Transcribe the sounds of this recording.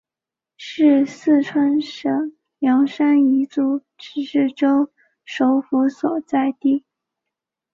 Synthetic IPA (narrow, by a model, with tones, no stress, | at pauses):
ʂɻ̩˥˧sɹ̩˥˧ʈ͡ʂʰwa˥nʂɤ˧˥ŋ | ljɑ˧˥ŋʂa˥ni˧˥t͡su˧˥ | ʈ͡ʂɻ̩˧˥ʂɻ̩˥˩ʈ͡ʂo˥ʊ | ʂo˧˥ʊfu˧˥swɔ˨˩t͡sa˥˧ɪt̪i˥˩